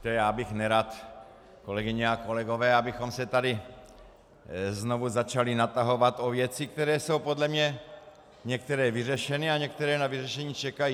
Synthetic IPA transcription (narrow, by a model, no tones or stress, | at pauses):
t̪ɛjaːbɪxnɛɾaːt̪ | ko̞lɛɡɪɲɛako̞lɛɡo̞vɛːabɪxo̞msɛt̪adɪ | znovuzat͡ʃalɪnat̪aɦo̞vat̪ovjɛt͡sɪk̚t̪ɛɾɛːso̞wpo̞dlɛmɲɛ | ɲɛk̚t̪ɛɾɛːvɪrɛʃɛnɪaɲɛk̚t̪ɛɾɛːnavɪrɛʃɛɲiːt͡ʃɛkajiː